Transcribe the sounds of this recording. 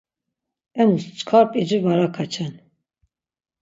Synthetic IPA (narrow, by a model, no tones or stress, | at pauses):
ɛmust͡ʃkʰɑɾpʼid͡ʒumaɾakʰat͡ʃʰɛn